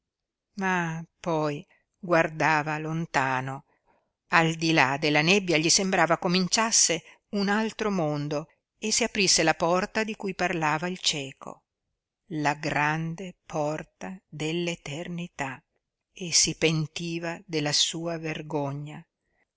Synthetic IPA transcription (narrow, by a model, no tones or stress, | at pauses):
mapɔj | ɡward̪aːvalont̪aːno | ald̪ilad̪elːanebːjaʎisembɾaːvakomint͡ʃasːe | unalt̪ɾomond̪o | esːiapɾisːelapɔrt̪ad̪ikujparlaːvailt͡ʃɛːkʰo̰ | laɡɾand̪epʰɔrt̪ad̪elːet̪ernit̪a | esipent̪iːvad̪elːasuːaverɡoɲːa